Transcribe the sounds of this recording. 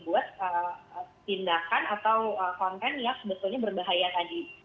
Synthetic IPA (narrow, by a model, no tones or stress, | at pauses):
buat̪̚əpindakanat̪awəkaŋkanjaŋbət̪ulɲabərbaɦajat̪adi